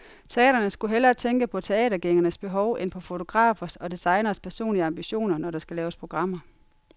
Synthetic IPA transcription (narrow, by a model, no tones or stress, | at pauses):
t͡sʰe̝ɛ̰ːɾ̥ɐnəsɡ̥uɦelɐt͡sʰeŋɡ̥əpʰɒ̽t͡sʰe̝ɛ̰ːɾɐɡ̥eŋɐnəsb̥e̝ɦɒ̽ʊʔenpʰɒ̽fo̝t͡sʰo̝ɡ̥ʁɑ̰̈ːfɐsɒ̽disɑ̈ɪnɐspʰæɐso̝̰ːnliəɑ̈mb̥iɕo̝̰ːnɐnɒɾ̥ɑ̈sɡ̥ælɛːʊəspʰʁo̝ɡ̥ʁɑ̈m̰ɐ